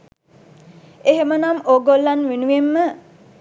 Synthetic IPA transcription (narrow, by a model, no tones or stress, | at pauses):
eɦemənamoːɡolːanʋinuʋemːə